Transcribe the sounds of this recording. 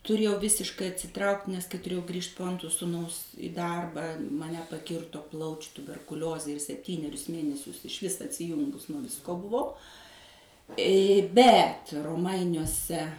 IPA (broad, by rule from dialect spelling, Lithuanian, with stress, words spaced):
tʊˈrʲeːjɛʊ ˈʋʲɪsʲɪʃkɐɪ ɐtʲsʲɪˈtrɐʊktʲ nʲɛs kɐɪ tʊˈrʲeːjɛʊ ˈɡrʲiːʃt poː ˈɐntroː sʊˈnɐʊs ɪ ˈdɐrbɑː mɐˈnʲɛ pɐˈkʲɪrtoː ˈplˠɐʊt͡ʃʲʊ tʊbʲɛrkʊˈlʲoːzʲeː ɪr sʲɛpʲˈtʲiːnʲɛrʲʊs ˈmʲeːnʲɛsʲʊs ɪʃʲˈʋʲɪs ɐtʲsʲɪˈjʊŋɡʊs nuɔ ʋʲɪsˈkoː bʊˈʋɐʊ bʲɛt roːˈmɐɪnʲuɔsʲɛ